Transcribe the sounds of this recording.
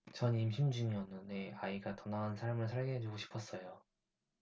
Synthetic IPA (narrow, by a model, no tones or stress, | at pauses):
t͡ɕʌnimɕʰimd͡ʑuŋiʌnːɯne̞aiɡatʌnaɦansʰaɾamɯɭsʰaɭɡeɦed͡ʑoɡoɕʰi̥pʰʌs͈ʌjo